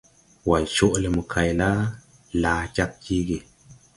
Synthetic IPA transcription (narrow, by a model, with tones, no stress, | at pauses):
wa˨lt͡ʃo˦ʔle˨mu˨kʰa˨jla˦ | laː˨d͡ʒa˦k̚d͡ʒi˦ɡe˨